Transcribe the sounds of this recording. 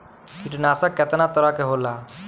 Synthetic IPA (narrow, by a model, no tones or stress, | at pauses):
kiʈnaːsakɛt̪nat̪ɔɾakeɦoːla